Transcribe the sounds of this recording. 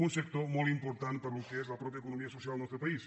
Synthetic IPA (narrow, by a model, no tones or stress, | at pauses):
unsek̚t̪oɾmolimpoɾt̪ãnt̪paɾalokeezlapɾɔp̬jaekonomiasosjald̪nest̪ɾopais